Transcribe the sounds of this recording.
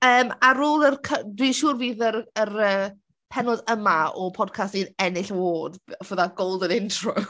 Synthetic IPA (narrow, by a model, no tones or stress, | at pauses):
əːmaɾoːlˠərkʰədwiːʃuːrviːðəɾəɾəː | pʰɛnɔdəmaɔpʰɔd̚kʰastinɛnɪɬvoːdɔvəðaɡowlˠdənɪntʰrʊ